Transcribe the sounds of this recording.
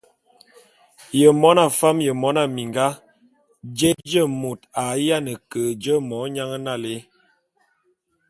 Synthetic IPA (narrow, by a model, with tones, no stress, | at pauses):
jə˨mɔ˦na˦˨fa˦mjə˨mɔ˨˦na˨mi˨ŋɡa˦ | d͡ʒe˦t̚d͡ʒə˦˨mo˨ta˨ja˦nə˨kə˨d͡ʒə˦mɔ˨˦ɲa˦ŋə˦na˦˨le˦